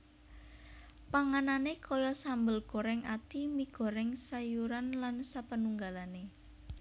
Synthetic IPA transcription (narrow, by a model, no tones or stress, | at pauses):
paŋananekʰɔjɔsambəlɡ̥oɾɛŋat̪imiɡ̥ɔ̤ɾɛŋsajuɾanlansapənuŋɡalane